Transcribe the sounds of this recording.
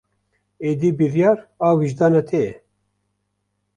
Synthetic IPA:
eːd̪iːbiɾjɑːɾaːwiʒd̪ɑːnɛt̪ʰeɛ

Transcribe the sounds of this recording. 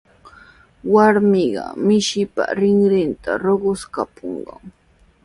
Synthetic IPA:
waɾmɪɢɑ̰mɪʃɪpa̰ɾɪŋɾɪnt̪ʰaɾoɢʊskapoɴɢɑŋ

